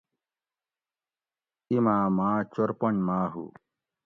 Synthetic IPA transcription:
imaːmaːt͡ɕoɾpoɳmaːɦṵ

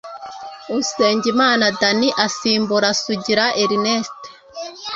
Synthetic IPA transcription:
use̞ːɲɟimaːnadaniʔasiːmbuɾasuɟiɾaʔeɾineste̥

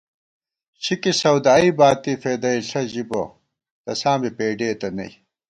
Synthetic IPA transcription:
t͡ɕʰikisɐwd̪aːibaːt̪ifeːd̪ɐiɬɐʑibo̰ | t̪ɐsaːmipeːɖeːt̪ɐnɐ̰i

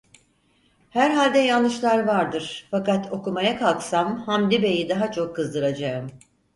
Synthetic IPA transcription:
hæɾɦalʲd̪ɛjanˠːɯʃlˠaɾvaɾd̪ɯɾ̥fakat̪ʰo̞kumajakʰalˠksamhamd̪ʲibe̞jid̪aɦat͡ʃʰo̞kʰːɯzd̪ɯɾad͡ʒaɯm

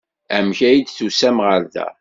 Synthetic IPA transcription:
æmçæjid̪θusæmʁəɾðæ̰

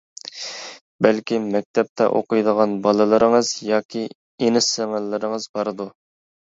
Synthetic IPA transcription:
bɛlkʲimɛk̚ʲt̪ʰɛp̚t̪ʰɛ̰ʔo̰qʊjd̪əʁɑnbɑlˠɨlˠɨɾəŋɨzjɑːkʲʰi | enɪsæŋælːɪɾɪŋəzbɑɾɨd̪u

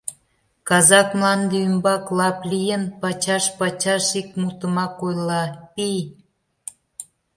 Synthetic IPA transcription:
kɑzɑkmlɑnd̪eymbɑklɑplijənpɑt͡ɕɑʃpɑt͡ɕɑʃikmut̪əmɑkojlɑpij

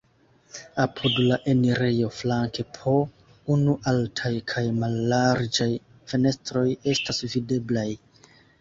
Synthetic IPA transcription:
apʰudlaʔeniɾe̞jo̞flaŋke̞pʰo̞ | unuʔaltʰajkʰajmalːaɾd͡ʒaj | fe̞ne̞stɾo̞je̞stasvide̞blaj

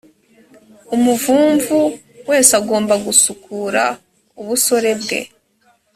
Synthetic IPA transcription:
umuvuːɱvu | we̞ːsaɡo̞ːmbaɡusukʰuɾa̰ | uβuso̞ɾe̞bɡe̞̰

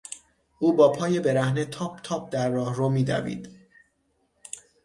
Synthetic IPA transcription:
ʔuːbɒːpʰɒːje̞be̞ɾæhnet̪ʰɒːp̚t̪ʰɒːb̚d̪æɾːɒːhromiːd̪æ̰vḭːd̪̥

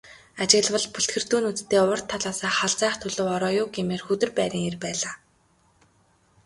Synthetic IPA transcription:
at͡ɕɪ̆ɣɮwə̆ɮpuɬt̪xɘ̆r̥t̪uːnut͡st̪ʰːeːʊr̥t̪ʰːaɮaːsaːχaɮt͡sæːχt̪ʰʊɮɵ̆wɔɾɔːjʊːɡemeːrxɵt̪ɵ̆rpæːɾĭːŋerpæːɮaː

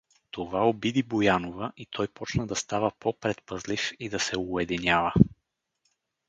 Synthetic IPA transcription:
t̪ovaobid̪ibojanovəʔit̪ʰɔjpɔt͡ʃnəd̪ɐst̪avəpɔpɾɛt̪̚pəzlifid̪ɐsɛʊɛd̪inʲjavə

